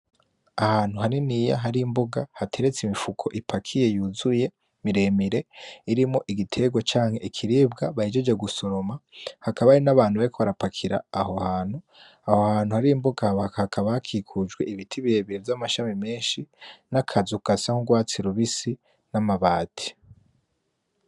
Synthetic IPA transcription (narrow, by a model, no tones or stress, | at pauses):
ahaːn̥huhaɾinija̰ɦaɾimbo̞ɡahatʰe̞ɾe̞t͡simifukʰo̞ʔipʰakʰije̞juzuje̞ | miɾe̞miɾe̞iɾimŋoʔiɡitʰe̞ɡwat͡ʃaːŋhe̞ʔikʰiɾiːbɡaβaid͡ʒed͡ʒeɡuso̞ɾo̞mahakaβaɾinaβaːnhuβaɾikoβaɾapakʰiɾa̰ːho̞haːn̥hu | aho̞haːnhuhaɾiːmboɡahhahakʰaβahakʰiːkʰud͡ʒɡwe̞iβitʰiβiɾe̞βiɾevjamaʃamime̞ːʃinakʰazukasahuɡwaːt͡siɾuβisi | namaβaːtʰi̥